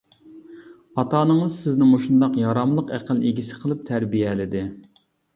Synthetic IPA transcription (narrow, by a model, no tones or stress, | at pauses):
ɑt̪ɑːnɨŋəzsɪznɪŋmoʃund̪ɑqjɑɾɑmlˠəqæqʰəlˠeɡʲisɪ̥qʰəlˠɨp̚t̪ʰæɾbijɛlɪd̪ɪ